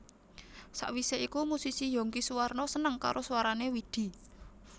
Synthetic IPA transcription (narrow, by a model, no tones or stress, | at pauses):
sa̰ʔwiseikumusisijo̤ŋkisuwarnɔsənəŋka̰ɾʔosuwaɾanewid̪̥i̤